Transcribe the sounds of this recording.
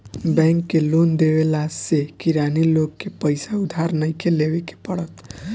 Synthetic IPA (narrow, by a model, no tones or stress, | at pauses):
bɛ̃ŋkːelond̪ewelasekiɾaniloɡkːepəjsaud̪ʱaɾnəjkeleweke̥pəɽət̪